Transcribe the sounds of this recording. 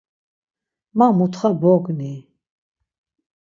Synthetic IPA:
mamut̪ʰχabɔɡni

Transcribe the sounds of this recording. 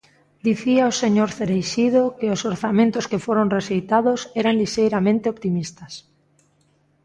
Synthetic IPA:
d̪iθiaoseɲoɾθeɾejʃiðokeosoɾθamẽnt̪oskefoɾonresejt̪aðosɛɾanliʃejɾamẽnt̪eopt̪imist̪as

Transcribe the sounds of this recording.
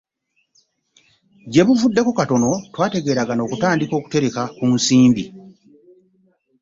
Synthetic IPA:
ɟe̞βuvudːe̞kokato̞no̞twaːte̞ɡe̞ːɾaɡano̞ːkutaːndiko̞ːku̥te̞ɾe̞kakunsiːmbi

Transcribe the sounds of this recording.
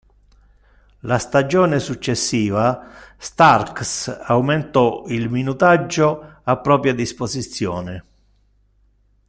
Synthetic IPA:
last̪ad͡ʒɔːnɪsut͡ʃːesːiːvast̪arksawment̪ɔilminut̪ad͡ʒːoapːɾɔːpɾjad̪ispozit̪sːjɔːnɪ

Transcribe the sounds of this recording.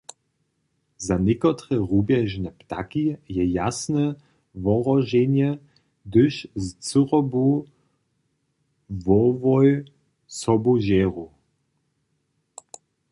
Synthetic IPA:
zanʲɛkɔt̪ɾɛʁubjɛʒnɛpt̪a̰kijɛjasnɛ | vɔʁɔʒɛnjɛ | d̪əʃzt͡sɨʁɔbu | vɔvɔj | sɔbuʒɛʁu

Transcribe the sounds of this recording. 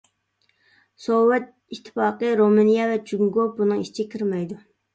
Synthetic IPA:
sowɛt̪̚ | it̪ʰːɪ̥fɑːqəɾomɨnijɑvɛt͡ʃyŋɡobunɨŋiʃt͡ʃʰikʲʰiɾmɛjd̪u

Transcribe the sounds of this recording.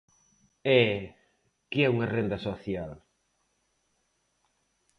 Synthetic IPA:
ɛ | kɪɛuŋɐrend̪ɐsoθjal

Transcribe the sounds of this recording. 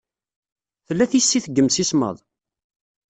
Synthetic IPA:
θəlːæθisːiθəɡːəmsismə̰ðˤ

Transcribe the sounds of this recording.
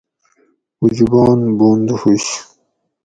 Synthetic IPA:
ud͡ʑibɑːnboːnd̪uhuɕ

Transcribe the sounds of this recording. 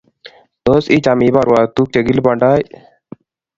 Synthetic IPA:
t̪oːsiːt͡ʃaːmiːbaɾwaːt̪uːk̚t͡ʃeɡilbaɳɖaːj

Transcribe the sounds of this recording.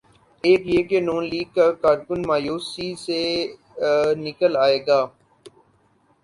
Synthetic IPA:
eːkjeːkenuːnliːɡ̚kakaːɾkʊnmaːjuːsise | nɪkəlaːeːɡaː

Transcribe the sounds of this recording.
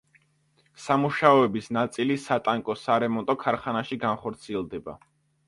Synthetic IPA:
samuʃaɔɛbisnat̪sʼilisat̪ʼaŋkʼɔsaɾɛmɔnt̪ʼɔkʰaɾχanaʃiɡanχɔɾt̪sʰiɛlˠd̪ɛba̰

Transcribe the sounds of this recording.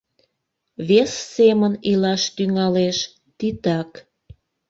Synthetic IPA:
βesːemənilɑʃt̪yŋɑleʃ | t̪it̪ɑk

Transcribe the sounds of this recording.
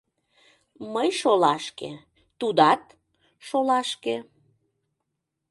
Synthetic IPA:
məjʃolɑʃkḛ | t̪ud̪ɑt̪̚ | ʃolɑʃke

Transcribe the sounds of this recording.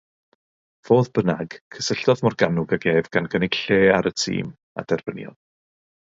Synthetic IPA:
v̥oːðbənaɡ̥kʰəsəɬd̥ɔðmɔrɡanʊɡaɡeːvɡ̥anɡənɪɡ̥ɬeːaɾətʰḭːm | a̰dɛrb̥ənjɔ̰n

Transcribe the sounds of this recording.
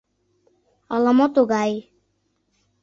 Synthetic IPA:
ɔlɔmɔt̪oɡaj

